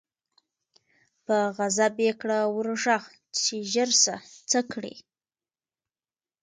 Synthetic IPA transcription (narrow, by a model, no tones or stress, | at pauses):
pəɣazabekɽawəɾʒax | t͡ʃeʒəɾsat͡səkɽḭ